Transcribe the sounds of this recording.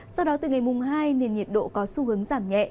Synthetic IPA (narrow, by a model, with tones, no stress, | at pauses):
sa˧wɗɔ˨˦t̪ɨ̰ː˨˩ŋa˨˩jmʊ˨˩ŋ͡mɦaː˧jne˨˩nɲi˨˩ət̚ɗo̰˧˨kɔ˨˦su˧ɦɨ˨˦əŋzaː˧˩mɲɛ̰˧˨ʔ